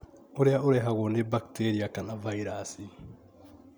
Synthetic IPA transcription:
uɾɛjauɾɛɦaɣonebaktʰeɾiakanavaiɾasi

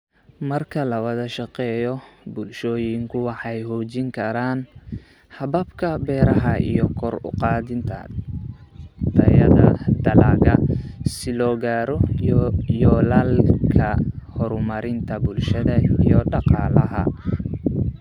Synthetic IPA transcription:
mɐrkʰɐlɐwɐðɐʃɑqɛːjɔbʊlʃɔːjɪŋkʰʊwɑħɑjɦɔːt͡ʃɪŋkʰɐɾaːn | hɑbɐbkʰɐbɛːɾɐɦɐʔḭjɔkʰɔrʊ̰qɑːðɪnt̪ʰɐ̰ | d̪ʰɐjɐ̰ðɐ̰d̪ɐlaːɣɐsɪlɔːɣaːɾɔ | jɔːlaːlkʰɐhɔɾʊmɐɾɪnt̪ʰɐbʊlʃɐðɐijɔɖɑqɑːlɐɦɐ̰

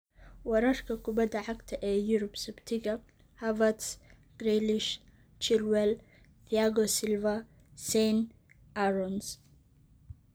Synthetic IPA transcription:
wɑɾɐrkʰɐkʰʊbɐd̪ɐʕɑɡt̪ʰɐʔɛːjʊɾʊbsʊbt̪ʰɪɣɐ | hɐvɐt̪s | ɡ̥rɛlɪʃ | t͡ʃɪrwɛl | t̪ʰiaɣɔsɪlvɐ | sɛn | ɐɾɔns

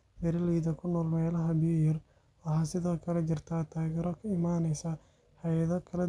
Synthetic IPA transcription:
bɛɾɐliːðɐkʰʊnɔːlmɛːlɐɦɐbɪjjɐr | ɐhasɪðɔːkʰɐlɛt͡ʃɪrt̪ʰat̪ʰaːɣɛːɾɔkʰɐɪmaːnɛjsɐ | hɐjɐðɐkʰɐlɛ

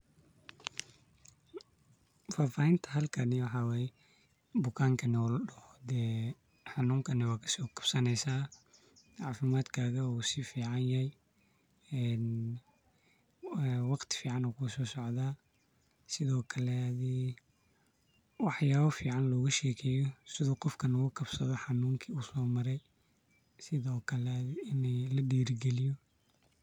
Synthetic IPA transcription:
faːfaːhɪnt̪ʰɐɦɐlkʰɐnɪwɑħɑːwɛːjɛ | bʊkʰaːŋkʰɐnɛɔlɖɐhɔd̪ɛː | ħɑnuːŋkʰɐnɪwaːkʰɐ̥sɔːkʰɐb̥sɐnɛjsaː | ʕɑːfɪmaːd̪kʰaːɣɐsɪfiːʕɑnjɐhɛj | ɛːn | wɑqt̪ʰɪ̥fiːʕɑnɔkʰusɔːsɔʕðaː | sɪðɔːkʰɐlɛði | wɑħjaːβɐfiːʕɑnlɔːɣɐʃɛːkʰɛːjɔsɪðɔqɔfkʰɐnɐɣʊkʰɐb̥sɐðɔħɑnuːŋkʰiuːsɔːmɐɾɛj | sɪðɔːkʰɐlɛɪnɛlɐɖiːɾɪɡɛlɪjɔ

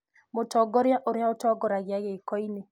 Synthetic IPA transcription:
motɔɡɔɾjaʔoɾjaotɔɡɔɾaɣeaɣekɔine

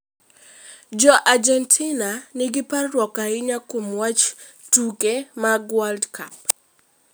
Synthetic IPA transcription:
d͡ʒɔʔad͡ʒɛntʰinanɪɡɪparːwɔkaɪɲakomwat͡ʃ | tukemaɡwaldkʰap̚

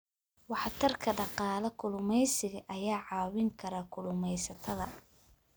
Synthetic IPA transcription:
wɑħɑt̪ʰɐrkʰɐɖɑqɑːlɐkʰʊlʊmɛjsɪɣɐʔɐjaːʕɑːwɪŋkʰɐɾɐkʰʊlʊmɛjsɐt̪ʰɐðɐ

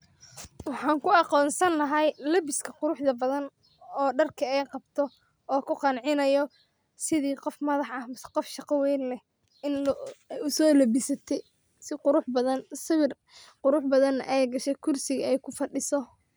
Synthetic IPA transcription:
wɑħɑːŋkʰʊɑqɔːnsɐnːɐɦɐjlɐbɪskʰɐqʊɾʊħðɐbɐðɐn | ɔːɖɐrkʰɐɛjqɑbt̪ʰɔ | ʔɔːkʰʊqɑnʕɪnɐjɔ | sɪðiːqɔfmɐðɑħɐmsqɔfʃɑqɑwɛjnlɛ | ɪnjʊsɔːlɐbɪsɐt̪ʰɛ | sɪqʊɾʊħbɐðɐnsɪβɪr | qʊɾʊħbɐðɐnɐ̰ʔɛjɡɐʃɛkʰʊrsɪɣɐɛjkʰʊfɐɖɪsɔ

